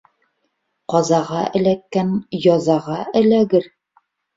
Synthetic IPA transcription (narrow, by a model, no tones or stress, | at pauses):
qɒzɑʁɑʔɘ̆lækːænjɒzɑʁɑʔɘ̆læɡɘɾ